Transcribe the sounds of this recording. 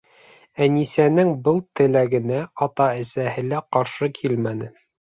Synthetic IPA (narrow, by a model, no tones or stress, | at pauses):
ænisænɘŋbɤlˠt̪ɘ̆læɡɘ̆næɑt̪ɑɘ̆sæhɘ̆læqɑɾʃɤkʰilmænɘ